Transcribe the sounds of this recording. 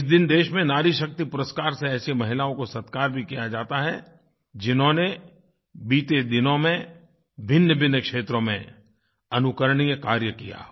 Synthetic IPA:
ɪsd̪ɪnd̪eːʃmẽnaːɾiʃɐk̚t̪ipʊɾəskaːɾseɛːsemɐɦɪlaːõkosɐt̪kaːɾbʱikijad͡ʒaːt̪aɦɛ | d͡ʒɪnɦõne | biːt̪ed̪ɪnõmẽ | bʱɪnːjəbʱɪnjəkʃeːt̪ɾõmḛ̃ | ɐnʊkəɾəɽ̃ijkaːɾjəkija̰

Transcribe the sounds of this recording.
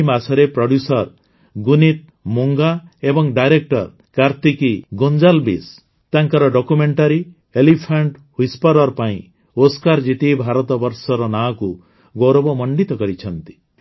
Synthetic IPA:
masɔɾepɾɔɖjusɔɾ | ɡunit̪̚ | moŋɡaebɔŋɖajɾek̚ʈɔɾ | kaɾt̪ikiɡond͡ʒalbḭs | t̪aŋkaɾɔɖɔkumeɳʈaɾi | elipʰaɳʈhujspɔɾɔɾpaḭ̃ | oskaɾd͡ʒit̪ibʱaɾɔt̪ɔbɔɾsɔɾɔnaku | ɡoɾɔbɔmɔɳɖit̪ɔkɔɾit͡ʃʰɔnt̪i̥

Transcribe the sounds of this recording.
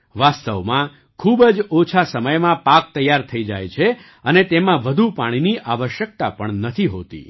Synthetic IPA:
ʋast̪əʋmã | kʰubd͡ʒot͡ʃʰasəməjmãpak̚t̪əjːaɾt̪ʰəid͡ʒa̰jt͡ʃʰe | ənet̪emãʋəd̪ʱupaɽ̃iniʔaʋəʃjək̚t̪a̰pəɳnət̪ʰiɦo̰t̪ḭ

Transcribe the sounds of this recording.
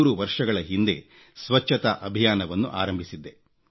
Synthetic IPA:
uːɾuʋɐɾʂɐɡɐɭɐɦind̪e̞ | sʋɐt͡ʃʰːɐt̪ɐʔɐbʱijaːnɐʋɐnːṵʔaːɾɐmbʱisid̪ːe̞

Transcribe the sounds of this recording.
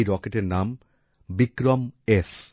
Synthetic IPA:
jɾɔkeʈeɾnam | bikɾomes

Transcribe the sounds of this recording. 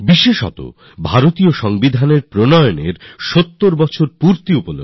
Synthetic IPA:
biʃeʃɔ̰t̪o̰ | bʱaɾot̪ioʃɔŋbid̪ʱaneɾpɾonɔjonḛɾʃot̪ːoɾbɔt͡ɕʰoɾpuɾt̪iupono

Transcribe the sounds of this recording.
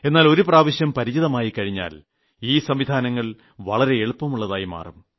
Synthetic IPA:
e̞nːaːlo̞ɾupraːʋɐɕjɐmpɐɾid͡ʑiðɐmaːjikːɐɻiɲːa̰ːl | iːsɐmʋid̪ʱaːnɐŋːɐɭ | ʋɐ̰ɭɐɾe̞eɭupːɐmuɭːɐðaːjima̰ːrum

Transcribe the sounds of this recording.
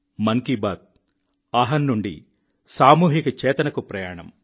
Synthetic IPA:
mɐŋkibaːd̪̚ | aːɦɐnːuɳɖḭ | saːmuːɦikɐt͡ʃɛːt̪ɐnɐkupɾɐjaːɳɐm

